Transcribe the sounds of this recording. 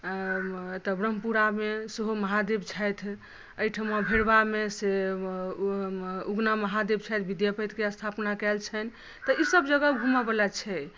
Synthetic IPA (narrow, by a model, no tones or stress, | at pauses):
t̪əbɾəmpuɾameseɦoməɦad̪ebt͡ʃʰɛjt̪ʰ | əjʈʰəmabʱeɾbamese | uɡnaməɦad̪eb̚t͡ʃʰɛjt̪ʰbid̪japət̪keəst̪ʰapnakɛlt͡ʃʰɛn | t̪əisəbd͡ʒəɡəbʱumabəlat͡ʃʰɛ